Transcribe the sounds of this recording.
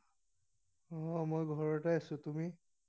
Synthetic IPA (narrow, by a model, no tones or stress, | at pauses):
ɔmojɡʱɔɹɔtaasʊ̃tumi